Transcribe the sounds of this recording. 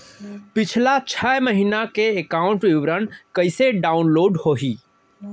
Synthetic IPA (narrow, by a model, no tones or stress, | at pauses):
pɪt͡ʃʰlat͡ʃʰɛjməɦiːnakeekaːʊ̃ɳʈwɪʋɾənkəɪseɖaːʊnloːɖhoːɦiː